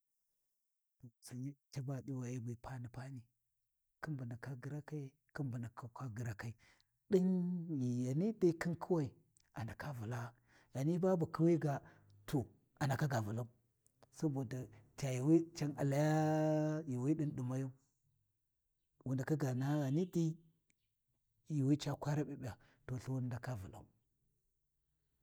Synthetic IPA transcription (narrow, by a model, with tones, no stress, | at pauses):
to˨si˨ɲi˦t͡ʃa˦ba˦ɗi˦wa˨ja˦ba˨pa˦ni˨pa˦ni˨ | ki˦nbu˨na˨ka˦ɡi˨ɾa˦ka˦i˦ | ki˦nbu˨na˨kʰa˨ka˦ɡi˨ɾa˨ka˦i˨ | ɗi˦nji˨ja˨ni˦da˦ki˦nkʰu˦wa˨i˨ | a˨na˨ka˦vu˨la˦ | ɣa˨ni˦ba˦bu˨ki˦wa˦ɡa˨ | tʰo˨ | a˨na˨ka˦ɡa˨vu˨la˦ | sa˦bo˨da˨ta˨ji˨wi˦t͡ʃa˦ŋa̰˨la˨ja˦ji˨wi˦ɗi˦nɗi˨ma˦ja˦ | wu˨nda˨ka˦ɡa˨na˦ɣa˨ni˦di˦ | ji˨wi˦t͡ʃa˦kʷa˦ɾa˦ɓi˨ba˨ | to˨ɬu˦wu˦n˦da˨ka˦vu˨la̰˦˨